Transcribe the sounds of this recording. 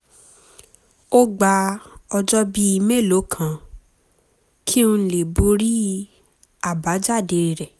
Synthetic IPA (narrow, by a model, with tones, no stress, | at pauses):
o˦ɡ͡ba˧ɔ˧d͡ʒɔ˦bi˦i˧me˦˨lo˨˦kʰã˦˨ | kʰi˦ũ˧˦le˨bo˧˦ɾi˦ | a˨ba˨˦d͡ʒa˦˨de˧ɾɾɛ˨